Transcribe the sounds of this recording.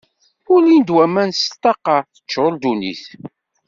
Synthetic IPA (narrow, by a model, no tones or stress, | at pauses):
ʊlind̪wæmænst̪ːɑqɑθə̥t͡ʃːʊld̪unḭθ